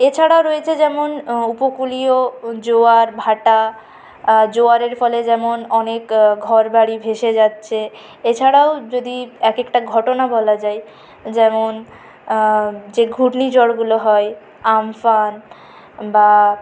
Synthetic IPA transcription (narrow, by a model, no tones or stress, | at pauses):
et͡ɕʰaɽaoɾoet͡ɕʰed͡ʑɛmonupokuliod͡ʑoaɾbʱaʈa | d͡ʑoaɾeɾfɔled͡ʑɛmonɔnekɡʱɔɾbaɽibʱeʃed͡ʑatːɕʰe | et͡ɕʰaɽaod͡ʑod̪iɛkekʈaɡʱɔʈonabɔlad͡ʑae | d͡ʑɛmon | d͡ʑeɡʱuʈnid͡ʑɔɽɡuloɦɔe | amfan | ba